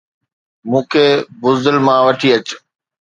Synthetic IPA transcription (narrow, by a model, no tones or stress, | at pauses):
mũːkʰeːbʊzd̪əlmãʋɐʈʰiɐt͡ɕ